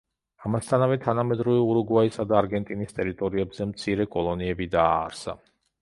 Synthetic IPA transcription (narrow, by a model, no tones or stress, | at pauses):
amast̪ʰanavɛt̪ʰanamɛd̪ɾuvɛuɾuɡwaisad̪aːɾɡɛnt̪ʼinist̪ʼɛɾit̪ʼɔɾiɛbzɛmt̪sʰiɾɛkʼɔlˠɔniɛbid̪a̰ːɾsa̰